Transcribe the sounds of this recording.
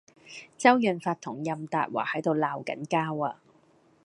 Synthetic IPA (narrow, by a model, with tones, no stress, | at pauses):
t͡sɐ˥wjœː˨nfaː˧t̪ʰːʊ˨˩ŋjɐ˨mt̪a̰ː˨t̚wa̰ː˨˩hɐ˨˥jt̪o˨wlaː˨wkɐ̰˨˥nkaː˥waː˧